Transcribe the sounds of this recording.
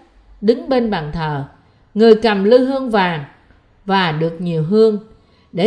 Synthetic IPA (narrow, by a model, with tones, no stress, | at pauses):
ɗɨ˨˦ŋɓe˧nɓaː˧˨˩nt̪ʰəː˨˩ | ŋɨ˨˩əjkə˨˩mlɨ˧ɦɨ˧əŋvaː˨˩ŋ | vaː˨˩ɗɨ˨˩ək̚ɲi˨˩əwɦɨ˧əŋ | ɗe˧˩